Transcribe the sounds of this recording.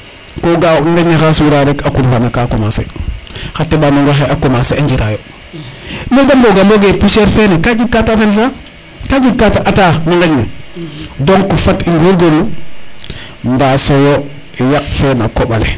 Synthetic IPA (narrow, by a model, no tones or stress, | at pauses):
koɡaŋɡeɲexaswiɾaɾekakulfanakakomasḛxatːeɓanoŋɡoxeakomaseaɲd͡ʒiɾajo | meɡamboɡaloɡepiʃeɾfenekad͡ʒib̚katafelfa | kad͡ʒib̚kataʔataniŋɡane | doŋkufatiŋɡoɡolu | mbasojo | ijak̚fenakoɓalḛ